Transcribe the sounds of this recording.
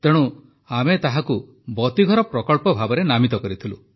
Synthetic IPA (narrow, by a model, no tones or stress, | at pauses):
t̪eɽ̃u | amet̪aɦaku | bɔt̪iɡʱɔɾɔpɾɔkɔɭpɔbʱabɔɾenamit̪ɔkɔɾit̪ʰilṵ